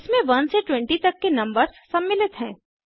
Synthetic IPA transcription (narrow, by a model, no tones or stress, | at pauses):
ɪsmẽʋɐnseʈwɛ̃ɳʈit̪ɐkːenɐ̃mbəɾzːɐbːɪlɪt̪ɦɛ̃ː